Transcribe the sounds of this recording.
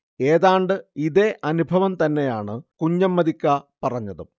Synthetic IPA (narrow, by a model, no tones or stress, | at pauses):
e̞ːðaːɳɖɨiðe̞ʔɐnubʱɐʋɐmt̪ɐnːe̞jaːɳɨkuɲːɐmːɐðikʲːɐpɐrɐɲːɐðɨ